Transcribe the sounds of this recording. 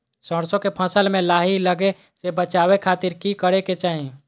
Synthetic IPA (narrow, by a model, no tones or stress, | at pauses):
səɽsõkepʰəsəlmẽlaːɦiləɡe | sebət͡ʃaːwekʰaːt̪ɪɾkikəɽeket͡ʃaːɦẽ